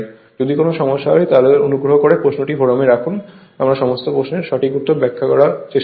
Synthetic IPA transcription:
d͡ʑod̪ikonoʃɔmoʃajt̪aleɾonuɡɾoɦokoɾepɾosnoʈifoɽameɾakʰun | amɾaʃɔmost̪opɾosneɾʃɔʈʰikut̪ːobɛkʰːakɔɾat͡ɕeʃ

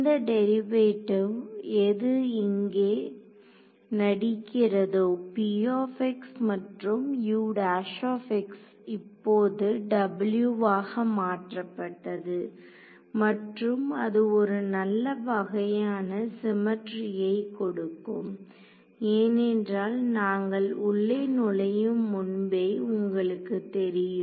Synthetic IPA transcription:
nd̪ɐɖɛɾɪʋeːʈːɯɛðɯɪŋɡeː | nɐɽɪkːɪrɐðoːpijoːfɛksmɐʈrɯmjuːɽaːʂoːfɛks | ɪpːoːðɯɖɐbɪljuʋaːɣɐmaːʈrɐpːɐʈːɐðɯ | mɐʈrɯmɐðɯɔɾɯnɐlːɐʋɐɣɐjaːnɐsɪmɐʈɾɪjɐɪkɔɽɯkːɯm | eːnɛndraːlnaːŋɡɐɭʊɭːɐnʊɭɐjɯmːʊnbeːʊŋɡɐɭɯkːɯt̪ɛɾɪjɯ

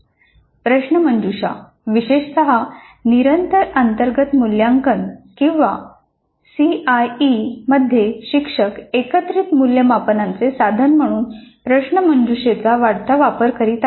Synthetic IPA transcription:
pɾəɕnəməɲd͡ʑuɕa̰ | ʋiɕeʂt̪əɦa | niɾənt̪əɾənt̪əɾɡət̪muljãŋkənkĩw̃ʋa | siajiməd̪ʱjeɕikʂəkekət̪ɾit̪muljəmapənãnt͡sesad̪ʱənm̤əɽ̃uːnpɾəɕɳəməɲd͡ʑuɕet͡saʋaɽt̪aʋapəɾkəɾit̪

